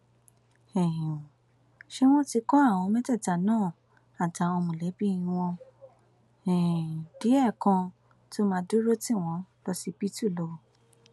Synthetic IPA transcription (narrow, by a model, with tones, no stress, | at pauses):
ɛ̃˨ | ʃe˦w̃ɔ̃˦ti˧kɔ̃˦a˦˨w̃ɔ̃˧mɛ̃˦tɛ˦˨ta˨nãː˦˨ | a˨ta˨˦o˧mũ˨lɛ˨˦bĩ˦˧w̃ɔ̃˧ | ɛ̃˨d̥i˨˦ɛ˦˨kã˧ | to˦mãː˧˦do˦ɾo˦tĩ˦˨w̃ɔ̃˨˧˦lɔ˧si˧pi˦tu˦˨lo˧